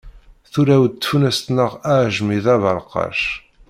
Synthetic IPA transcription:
θuɾæw̚t̪ːfunæst̪nəʁæʕʒmiðævəɾˤqɑ̰ʃ

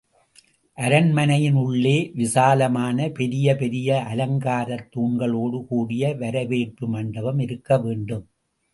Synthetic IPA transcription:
ʔɐɾɐnmɐnɐjɪnʊɭːeːʋɪsaːlɐmaːnɐpɛɾɪjɐpɛɾɪjɐʔɐlɐŋɡaːɾɐt̪ːuːɳɡɐɭoːɽɯkuːɽɪjɐʋɐɾɐʋeːʈːɯmɐɳɖɐʋɐmɪɾɯkːɐʋeːɳɖɯm

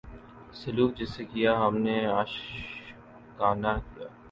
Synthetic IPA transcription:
sɐluːk̚d͡ʒɪsːekijaɦɐmneaːʃ | kaːnakija̰ː

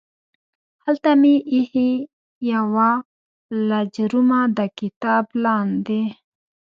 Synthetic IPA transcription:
halt̪amiʔihi | jawa | lad͡ʒɾumad̪akɪt̪ɑːblɑːnd̪e

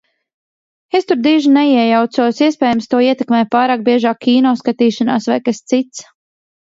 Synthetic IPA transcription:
est̪uɾd̪iːʒinɛiɛjawt̪suɔsiɛspɛːjamst̪uɔiɛt̪ɛkmɛːjpaːɾaːk̚biɛʒaːkʰʲːiːnɔːskat̪iːʃana̰ːsvajkast̪sit̪s

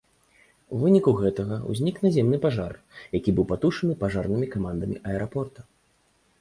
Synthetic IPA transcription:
uvɨnʲikuɣɛt̪ɐɣɐṵzʲnʲiknazʲɛmn̪ɨpaʐar | jakʲibɨwpat̪uʂɐnɨpaʐarnɨmʲikamand̪ɐmʲḭʔɐɛɾapɔrt̪ɐ̥

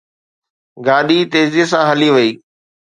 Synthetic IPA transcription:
ɡaːɗit̪eːziːs̬ãɦɐliʋɐiː

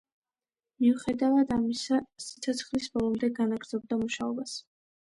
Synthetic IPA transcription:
miuχɛd̪avad̪amisasi̥t̪sʰɔt̪sʰχlisbɔlˠɔmd̪ɛɡanaɡɾz̥ɔb̚d̪amuʃaɔbas

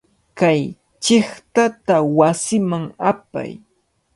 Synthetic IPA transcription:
kaj | t͡ʃɪχt̪at̪awasɪmaŋapa̰j

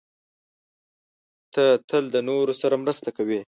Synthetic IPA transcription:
t̪ət̪əld̪ənoɾosaɾamɾəst̪akawi

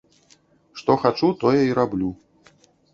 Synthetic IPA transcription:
ʂt̪ɔxat͡ʂut̪ɔjɐiɾablʲu

